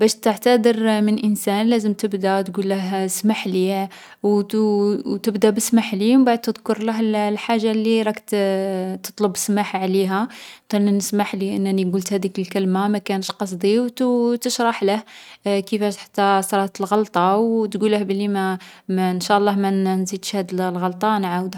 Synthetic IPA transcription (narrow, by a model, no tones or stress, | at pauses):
bæʃt̪əʕt̪æd̪əɾmənʔənsænlæzəmt̪əbd̪æt̪ɡulːəɦsmaħli | w | t̪əbd̪æbəsmaħlimbaʕəd̪̚t̪ːəd̪kʊɾˤləɦllħaʒːalːiɾˤɑk̪ | t̪ə̥t̪ˤləbːəsmaħʕliɦæt̪ænnəsmaħliʔənːæniɡult̪hæd̪ikəlkəlmamækænəʃqɑs̬ˤd̪iwt̪t̪əʃɾˤɑħləhkəfæʃt̪ħḁt̪ːæsˤɾˤɑt̪əlɣɑlt̪ˤɑwt̪ɡulːəhblːimæmnʃæʔlˤːɑhmænzid̪ʃhæd̪llɣɑlt̪ˤɑnʕawd̪